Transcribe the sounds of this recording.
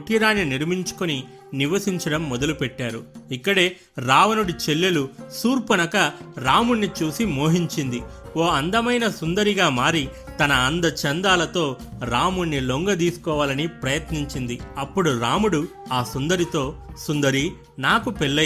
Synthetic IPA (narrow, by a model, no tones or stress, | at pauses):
ʈiːɾaːnːiniɾmiɲt͡ʃu̥koni | niʋɐsiɲt͡ʃɐɽɐmːɔd̪ɐlupɛʈːaːɾuikːɐɽe̞ː | ɾaːʋɐnuɽit͡ʃe̞lːɐlusuːɾpɐnɐkɐɾaːmuɳːit͡ʃuːsimoːɦiɲt͡ʃind̪ioːɐnd̪ɐmɐjnɐsund̪ɐɾiɡaːmaːɾit̪ɐnɐːnd̪ɐt͡ʃɐnd̪aːlɐt̪o̞ːɾaːmuɳːiloŋɡɐd̪iːsu̥kɔːʋaːlɐnipɾɐjɐt̪niɲt͡ʃind̪iɐpːuɽuɾaːmuɽuaːsund̪ɐɾit̪o̞ːsund̪ɐɾi | naːkupeɭːɐ